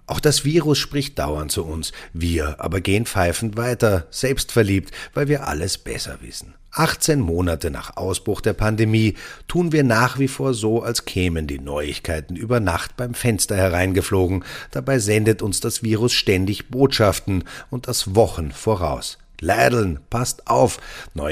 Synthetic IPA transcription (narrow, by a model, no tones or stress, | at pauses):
ʔaʊxd̥asv̥iːʁʊsʃpʁ̥ɪçt̚d̥a̰ʊɐnt̚t͡suʊnsviːɐʔa̰ːbɐɡeːənfaɪfn̩v̥aɪtɐz̥ɛlpstfɛɐliːp̚tvaɪlviːɐʔa̰ləsb̥ɛ̰sɐ̰vɪ̰sn̩ | ʔaχt͡seːnmoːnatəna̰ːχʔa̰ʊsb̥ʁ̥ʊxd̥eːɐpʰandemiːtʰuːnviːɐnaːχv̥iːfoːɐzoːalskʰɛːməndiːnɔʏɪ̰çkʰaɪtn̩ʔyːbɐnaχtb̥aɪmfɛnstɐhɛʁ̞aɪnɡəfloːɡŋ̩d̥abaɪzɛndətʊnsd̥asv̥iːʁ̞ʊsʃtɛndɪçb̥oːtʃaftn̩ʊnt̚d̥asvɔχn̩foːʁa̰ʊs | laːdl̩npʰastʔaʊfnɔ